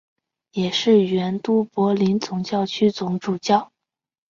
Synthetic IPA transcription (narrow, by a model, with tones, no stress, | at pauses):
jɛ˨˩ʂɻ̩˥˩ɥɛ˧˥nt̪u˥pwɔ˧˥li˧˥nt͡sʊ˧˥ŋt͡ɕjɑ˥˩ʊt͡ɕʰy˥t͡sʊ˧˥ŋʈ͡ʂu˨˩t͡ɕjɑ˥˩ʊ